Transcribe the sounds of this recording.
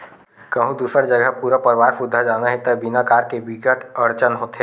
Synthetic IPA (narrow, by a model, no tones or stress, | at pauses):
kɐɦũd̪uːsəɾd͡ʒəɡəpuːɾapəɾʋaːɾfʊd̪ʱːad͡ʒaːnaɦẽt̪əbinakaːɾkebikəʈəɾt͡ʃənɦoːt̪e